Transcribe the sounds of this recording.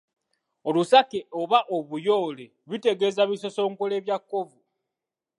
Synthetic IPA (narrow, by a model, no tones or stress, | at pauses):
olusakeoβaʔoβujo̞ːle | βite̞ɡe̞ːzaβiso̞so̞ːŋkole̞ːβjakːo̞vu